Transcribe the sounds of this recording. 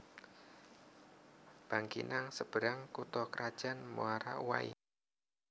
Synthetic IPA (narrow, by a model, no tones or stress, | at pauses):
b̥a̤ŋkḭnaŋsəb̥ə̤ɾaŋkut̪ɔkəɾad̥ʒ̥a̤nmuaɾa̰ʔuwa̰ḭ